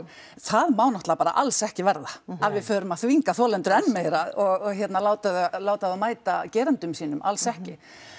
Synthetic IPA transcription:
θaðmaːwnɔht̪lapaːɾa̰ʔalsɛhcɪvɛɾðaaðvɪðfœːɾʏmaðθviŋkaθɔːlɛnt̪ʏɾɛnːmeːjɾaɔɣɔɣçjɛt̪nalaːwt̪aðlaːwt̪aðamaːjt̪acɛːɾɛnt̪ʏmsiːnʏma̰lsɛhcɪ

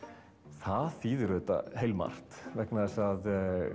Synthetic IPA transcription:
θaðθiːðʏɾðɛt̪a̰hejlma̰r̥t̪vɛknaðɛsað

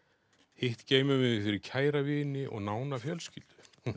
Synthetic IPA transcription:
hɪht̪ceːjmʏmɪðɪfɪɾɪɾcʰaːjɾavɪːnɪʔɔ̰ɣnaːwnafjœlscɪlt̪ʏ̥

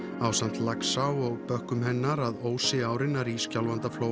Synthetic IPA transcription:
awsan̥t̪laksawɔɣpœhkʏmhɛnːaɾaðoːwsɪaːwɾɪnːaɾiscawlvant̪afloːw

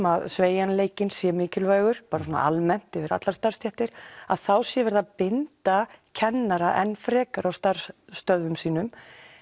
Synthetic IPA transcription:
maðsveːjanleːjcɪnsjɛmɪːcɪlvœːɣʏɾ̥paːɾas̬uɔna̰almɛn̥t̪ɛvɪɾa̰t̪laɾst̪arst̪jɛht̪ɪɾ̥a̰ðθawsjɛvɛɾðapɪnt̪acʰɛnːaɾaʔɛnːfɾɛːkaɾawst̪aɾ̥st̪œððʏmsiːnʏm

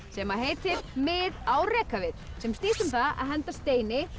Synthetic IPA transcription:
sɛmaɦeːjt̪ʰɪɾmɪðawrɛːkavɪð | sɛmst̪iːsʏmθaa̰ðɦɛnt̪ast̪eːjnɪ

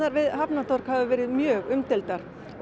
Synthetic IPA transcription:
aɾvɪðɦapnat̪ʰɔɾ̥khaðʏvɛːɾɪðmjœːɣʏmt̪ɪlt̪aɾ̥

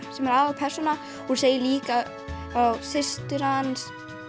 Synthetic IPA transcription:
sɛmɛɾaːvapʰɛr̥sɔna | huɾseːjɪliːka | awsɪst̪ʏɾans

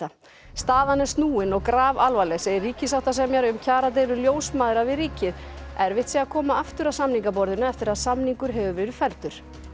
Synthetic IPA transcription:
st̪aːðanɛ̥st̪nuːɪnɔɣkɾaːvalvalɛɣsejɪriːcɪsawht̪as̬ɛmjɛɾʏmcʰaːɾat̪̬ejlʏljoːwsmaːðɾavɪðriːcɪð | ɛɾvɪht̪siakʰɔːmaaft̪ʏɾaðsamniŋkapɔɾðɪnʏɛft̪ɪɾaðsamniŋkʏɾ̥ɦɛvʏvɛːɾʏfɛlt̪ʏɾ̥

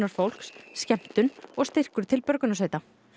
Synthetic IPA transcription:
naɾ̥fowl̥ksscɛm̥t̪ʏnɔɣst̪ɪr̥kʏɾt̪ʰɪlpœɾkʏnas̬eːjt̪a

